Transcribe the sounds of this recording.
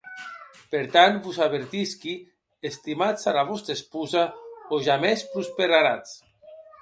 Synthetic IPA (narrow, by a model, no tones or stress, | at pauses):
peɾt̪anbuzaβeɾt̪iski | est̪imat͡salaβ̞ɔst̪ɾespuzaoʒamespɾuspeɾaɾat͡s